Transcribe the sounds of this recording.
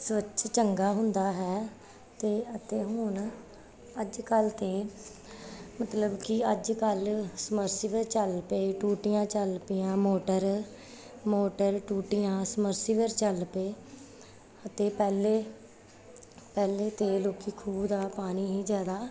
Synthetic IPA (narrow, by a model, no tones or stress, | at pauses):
sʋət͡ʃt͡ʃəŋɡaːɦʊ̃nd̪aːɦɛː | t̪eːət̪eːɦʊɳ | əd͡ʒkəlt̪eː | mət̪ləbkɪəd͡ʒkəlsəməɾsiːʋəɾt͡ʃəlpeːʈuːʈɪjãːt͡ʃəlpɪjãːmoːʈəɾ | moːʈəɾʈuːʈɪjãːsməɾsiːʋəɾt͡ʃəlpeː | ət̪eːpɛːleː | pɛːleːt̪eːloːkiːkʰuːbd̪aːpaːniːɦiːzjaːd̪aː